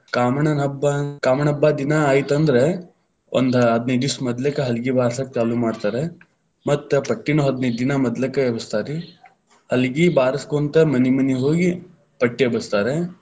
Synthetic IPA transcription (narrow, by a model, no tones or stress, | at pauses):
kaːmɐɳɐnɐbːakaːmɐɳɐbːad̪inɐːjt̪ɐnd̪ɐɾe | ʔo̰nd̪ɐɦɐd̪nɐjd̪ismɐd̪lɐkeɦɐlɡibaːɾɐsɐkt͡ʃaːlumaːɖt̪aːɾe | mɐt̪ːepɐʈːinuɦɐd̪nɐjd̪ːinɐmɐd̪lɐkeebɐst̪aːɾi | hɐlɡibaːɾɐskont̪emɐnimɐniɦoːɡi | pɐʈːebɐst̪aːɾe